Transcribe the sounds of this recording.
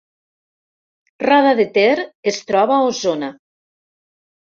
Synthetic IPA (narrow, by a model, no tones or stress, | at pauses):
raðaðet̪eɾest̪ɾɔβaozona